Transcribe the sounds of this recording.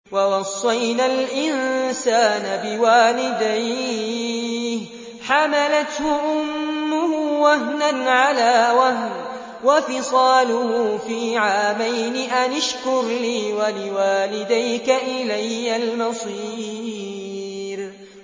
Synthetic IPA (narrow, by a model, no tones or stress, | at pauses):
wɑwɑsˤːɑjnalʔɪnsaːnabɪwaːlɪd̪aj | h | ħamalat̪hʊʔʊmːʊhʊwaɦnanʕalaːwahn | wafɪsˤɑːlʊhʊfiːʕaːmajnɪʔanaʃkʊɾliːwalɪwaːlɪd̪ajkaʔɪlajːalmɑsˤiː | ɾ